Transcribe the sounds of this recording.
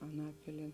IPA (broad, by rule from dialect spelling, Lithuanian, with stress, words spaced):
ɐˈnɑːpʲɪlʲiɛ